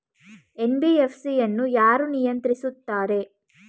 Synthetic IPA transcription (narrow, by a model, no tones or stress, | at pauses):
enbiepʰsijɐnːujaːɾunijɐnt̪ɾisut̪ːaːɾe̞